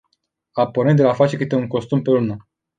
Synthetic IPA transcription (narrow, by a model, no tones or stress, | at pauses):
apoɾned̪elafat͡ʃe̞kɨt̪e̞uŋko̞st̪umpe̞lunə